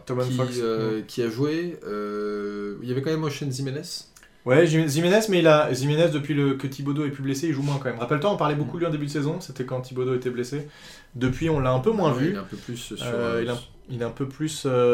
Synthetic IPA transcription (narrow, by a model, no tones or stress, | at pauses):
t̪amɛnfaøkʲʰiaʒweø | iljavɛkɑ̃mɛmɔ̃ʃɛnzimɛnɛs | wɛʒiʒimenɛsmɛilaʒimenɛs̬d̪əpɥiləkət̪ʰibod̪oɛpybleseilʒumwɛ̃kɑ̃mɛmʁapɛlt̪waɔ̃paʁlɛbokulɥiɑ̃d̪ebyd̪əsezɔ̃set̪ɛkɑ̃t̪ʰibod̪oet̪ɛblese | d̪əpɥiɔ̃lːaɛ̃pømwɛ̃vyɛ̃pøplyssøilɛɛ̃ | ilɛɛ̃pøplysø